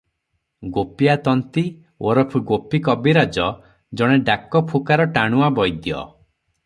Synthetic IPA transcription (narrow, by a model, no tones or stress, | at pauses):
ɡopijat̪ɔnt̪i | oɾɔpʰuɡopikɔbiɾad͡ʒɔ | d͡ʒɔɽ̃eɖakɔpʰukaɾɔʈaɽ̃uabɔjd̪jɔ̰